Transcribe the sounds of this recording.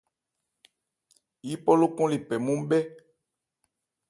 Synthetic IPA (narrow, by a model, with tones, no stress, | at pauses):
ji˦pɔ˦lo˦kɔ̃˦li˨pɛ˨mũ˦m˦ɓɛ˦